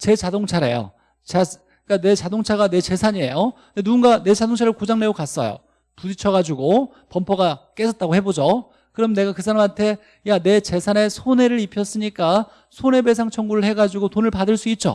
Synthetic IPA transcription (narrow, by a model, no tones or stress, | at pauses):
t͡ɕe̞t͡ɕadoŋt͡ɕʰaɾe̞̰jo̰ | t͡ɕa | ik͈ane̞t͡ɕadoŋt͡ɕʰaɡane̞t͡ɕe̞sʰaɲiejo | denuunɡane̞t͡ɕadoŋt͡ɕʰaɾɯɭkod͡ʑaŋne̞okas͈ʌ̰jo̰ | tudit͡ɕʰʌɣad͡ʑuɡo | pʌmpʰʌɡak͈e̞sʰʌt̚t͈aɡohe̞bod͡ʑo | kɯɾʌmne̞ɡakɯs̬ʰaɾamɦantʰe̞ | jane̞t͡ɕe̞sʰanesʰone̞ɾɯɾipʰjʌs͈ɯɲik͈a | sʰone̞be̞s̬ʰaŋt͡ɕʰʌŋɡuɾɯɭhe̞ɡad͡ʑiɡotonɯɭpadɯɭs͈uit̚t͡ɕ͈o̰